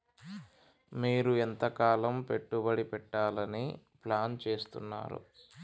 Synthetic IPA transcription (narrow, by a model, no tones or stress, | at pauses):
miːɾuent̪ɐkaːlɐmpe̞ʈːubɐɽipɛʈːaːlɐni | plaːnt͡ʃe̞ːst̪unːa̰ːɾṵ